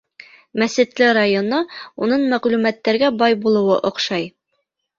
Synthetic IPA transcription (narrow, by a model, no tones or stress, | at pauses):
mæsɘ̆t̪lɘɾajonounɤɴmæʁlʉmæt̪ːæɾɡæbɑjbulˠɤ̆wɤʔŏqʃɑj